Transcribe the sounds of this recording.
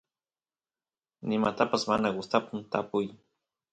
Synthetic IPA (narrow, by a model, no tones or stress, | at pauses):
nɪmat̪apasmanaɡʊst̪apʊmt̪apʊj